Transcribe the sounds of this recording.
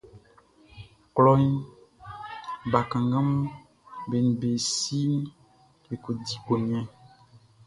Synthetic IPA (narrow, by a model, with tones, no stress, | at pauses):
klɔ˦ɲ˦ | ba˨kã˨ŋɡã˦m˦ | be˨n˨be˨si˦n˦ | be˨ko˨di˨ko˨ɲ˦ɛ̃˦